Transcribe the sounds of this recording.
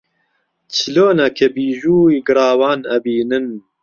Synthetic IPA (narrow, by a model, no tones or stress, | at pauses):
t͡ʃʰɨloːnɐkʰebiːʒuːjɡɨɾɑːwaːnɐbiːnɨn